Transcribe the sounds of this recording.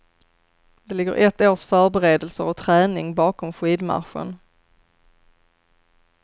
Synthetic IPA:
d̪̥ɛlɪɡːə̰ɾʔɛt̪ːoːʂfœːɾbɛɾeːd̪əlsəɾɔt̪ʰɾɛːnɪŋbɑːkɔmɧiːd̪ma̰tɧə̰n

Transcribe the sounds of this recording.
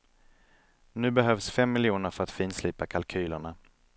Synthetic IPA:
nʉ̟ːbɛɦœvsfɛmːɪljuːnəɾfœɾat̪fiːnsliːpakʰalkʰyːləɳa

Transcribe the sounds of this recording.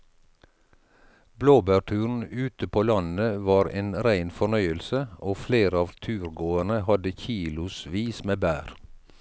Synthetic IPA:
bloːbæʈʰʉːɹn̩ʉːt̪əpʰoːlɑnn̩əʋɑːɾeːnɾæɪnfɔɳœʏəlsəoːfleːɾəɑːʋt̪ʰʉːɾɡoːəɳəhɑd̪əçiːlʊsʋiːsmeːbæːɾ

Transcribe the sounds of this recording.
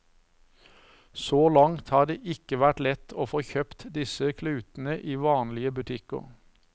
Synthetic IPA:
soːlɑŋt̪hɑːd̪eːʔɪkəʋæʈlɛt̪ʰoːfoːçœpt̪d̪ɪsəkʰlʉːt̪n̩əʔiːʋɑːnlɪəbʉt̪ʰɪkə̰ʁ

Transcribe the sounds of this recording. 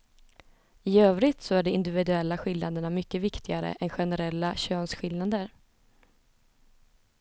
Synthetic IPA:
ɪøːvɾɪt̪sɔæɖɛmɪnd̪ɪvɪd̪ɵɛlːaɧɪlnad̪əɳamʏkːəvɪkt̪ʰɪɡaɾə̰ʔɛnɧɛnɛɾɛlːaɕøːnsɧɪlnad̪əɾ

